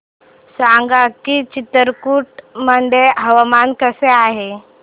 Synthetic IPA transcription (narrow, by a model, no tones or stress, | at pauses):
saŋɡakit͡ɕit̪əɾkuːʈməɳɖeɦəʋamankəseaɦe